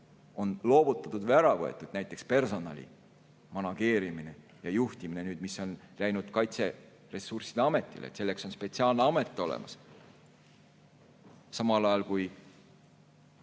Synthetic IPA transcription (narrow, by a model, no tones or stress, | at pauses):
o̞nlo̞ːbut̪ːˑɑt̪ːud̪væɾɑvɤḛt̪ːˑud̪̥næjt̪ːˑe̞kspe̞rso̞nɑ̰lʲḭ | mɑnɑɡ̥e̞ːɾimine̞ | jɑjuht̪iminenyːd̪misːo̞nlæjnud̪̥kɑjt̪se̞ | re̞sːursid̥̪eɑme̞t̪ˑːḭlḛt̪selːe̞kso̞nspe̞t̪ʲsiɑːlneɑme̞t̪ːˑo̞lḛmɑ̰s | sɑmɑlɑjɑlkuj